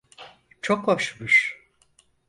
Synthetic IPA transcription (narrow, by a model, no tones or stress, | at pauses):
t͡ʃʰokoʃmɯʃ